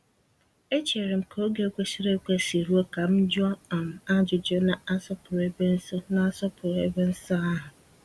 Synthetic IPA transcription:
e˦t͡ʃe˨ɾe˨m̩˨kʰo˦ɡe˦kʷe˦si˦ɾe˦kʷe˦˨si˨ɾu˦o˦ka˨m̩˦d͡ʒʊ˦a˦a˨m̩˨a˦d͡ʒʊ˨d͡ʒo˦na˨a˦sɔ˦pʊ˨ɾe˦be˦n̩˦sɔ˦na˨a˦sɔ˦pʰʊ˨ɾḛ˦be˦n̩˦sa˦a˦ɦʊ˨

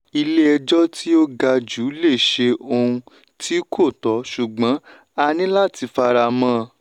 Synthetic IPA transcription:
i˧le˦ɛ˧d͡ʒɔ˦tʰi˦o˦ɡa˧d͡ʒu˨˦le˦˨ʃe˧o˧ũ˧ | tʰi˦kʰo˦˨tɔ˨˦ʃu˨ɡ͡bã˨˦ | a˧nĩ˦la˦˨ti˧fa˧ɾa˧mã˦˧

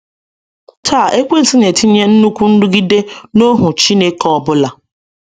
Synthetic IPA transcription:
tʰaː˦˨ʔe˦kʷe˦n̩˨ti˦ne˨ti˦ɲe˦n̩˦nu˦kʷu˦n̩˦dʊ˦ɡi˦de˦no˦ɦʊ˨t͡ʃi˦ne˦kɔ˨ɔ˨bʊ˦la˨

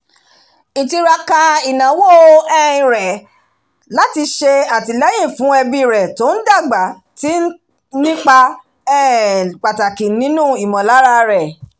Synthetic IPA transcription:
ĩ˨ti˧ɾa˧ka˧i˨nã˨wo˦˨ɛ˦˨ĩ˨ɾɛ˨ | la˦ti˧ʃe˧a˨ti˧lɛ˦j̃ĩ˦˨fũ˨˦ɛ˧bi˦˨ɾɛ˨to˨˦n̩˦da˦˨ɡ͡ba˨˦ | ti˦ | nĩ˦k͡pa˧ | ɛ˦˨k͡pa˨ta˨kĩ˨nĩ˨˦nũ˦˨i˨mɔ̃˨la˨˦ɾa˧ɾɛ˨

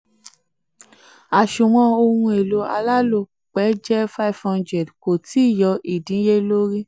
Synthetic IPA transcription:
a˨ʃu˨wɔ̃˧o˧hũ˧e˨lo˨˦a̰˧la˦lo˦˨ | k͡pɛ˨˦d͡ʒɛ˦fa˦i˨fɔ̃˧nd͡ʒɛ˨dko˨ti˨˦˨jɔ˧ʔi˨dĩ˨˦je˦lo˦ɾi˦

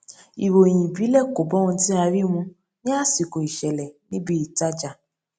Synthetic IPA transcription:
i˨wo˨j̃ĩ˨bi˨˦lɛ˦˨ko˨bɔ˨˦wɔ̃˧˦ti˦a˧ɾi˦mũ˧ | nĩ˦a˦˨si˨ko˨i˨ʃɛ˨lɛ˨nĩ˦bi˦i˨ta˦d͡ʒa˨

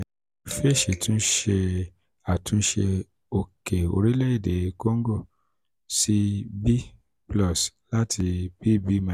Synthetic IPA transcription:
fe˦˨ʃe˨tũ˦ʃe˧ | a˨tʰũ˨˦ʃe˧ | o˨ke˨o̰˧˨ɾi˦le˦i˦˨de˨˦ko˦ŋ̩˦ɡo˦˨ | si˧bi˦ | plɔ˦˨sla˦tʰi˧b̥i˦bi˦mã˧˨

